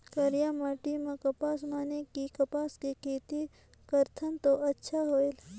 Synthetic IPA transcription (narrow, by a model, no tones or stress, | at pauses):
kəɾijaːmaːʈimẽkɐpaːsmaːnekikɐpaːskekʰeːt̪i | kəɾt̪ʰənt̪oʔɐtːʃʰaɦoːel